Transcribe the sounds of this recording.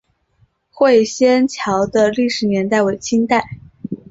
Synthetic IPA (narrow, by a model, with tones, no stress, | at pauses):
xwe˥˩ɪɕjɛ˥nt͡ɕʰjɑ˧˥ʊd̪ə˧li˥˩ʂɻ̩˧˥njɛ˧˥nt̪a˥˩ɪwe˨˩ɪt͡ɕʰi˥nt̪a˥˩ɪ